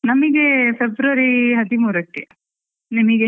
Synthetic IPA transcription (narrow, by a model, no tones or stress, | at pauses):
nɐmɐɡepʰebɾɐʋɐɾiɦɐd̪imuːɾɐkːe | nɐmɐɡe